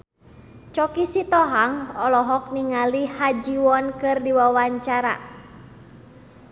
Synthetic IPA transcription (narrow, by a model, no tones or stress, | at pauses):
t͡ʃɔkisit̪ɔɦaŋɔlɔɦɔk̚niŋalihad͡ʒiwɔnkɨrdiwawaɲt͡ʃaɾa̰